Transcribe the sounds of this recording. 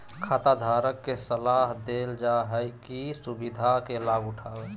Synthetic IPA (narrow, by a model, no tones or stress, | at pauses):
kʰat̪ad̪ʱaɾəkːesəlaɦd̪eld͡ʒaɦəjkisubid̪ʱakelaɡuʈʰabe